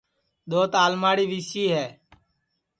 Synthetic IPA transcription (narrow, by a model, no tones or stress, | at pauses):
ɗ̪oːt̪aːlmaːɽiːʋiːsiːɦɛː